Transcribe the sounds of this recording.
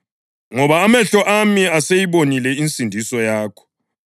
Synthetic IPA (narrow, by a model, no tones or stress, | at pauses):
ŋɔβaːmɛɬɔʔamiasejiβonilɛint͡sʼindʱisɔjaːkʰɔ̥